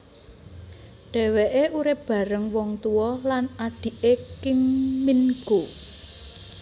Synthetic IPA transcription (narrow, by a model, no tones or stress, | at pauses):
ɖ̥ɛ̤weʔeʔuɾɪp̚b̥ä̤ɾəŋwɔŋt̪uwɔlanaɖ̥i̤ʔekɪŋminɡ̥o